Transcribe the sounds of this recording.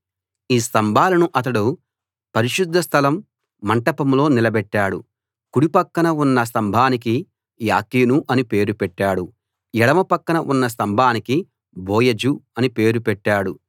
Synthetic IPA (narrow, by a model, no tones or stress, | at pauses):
iːst̪ɐmbʱaːlɐnuʔɐt̪̬ɐɽu | pɐɾiʃud̪ʱːɐst̪ʰɐlɐmː | ɐɳʈɐpɐmlo̞ːnilɐbɛʈːaːɽu | kuɽipɐkːɐnɐunːɐs̬t̪ɐmbʱaːnik̬i | ja̰ːkiːnuʔɐnipe̞ːɾupɛʈːaːɽu | ɛɽɐmɐpɐkːɐnɐʔunːɐs̬t̪ɐmbʱaːniki | boːjɐd͡ʒuɐnipe̞ːɾupɛʈːaːɽu